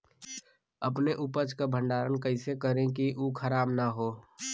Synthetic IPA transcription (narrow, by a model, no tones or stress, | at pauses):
əpneʔʊpət͡ʃkabʱə̃ɳɖaːɾənkəɪsekəɾẽkiʔukʰəɾaːbnaɦoː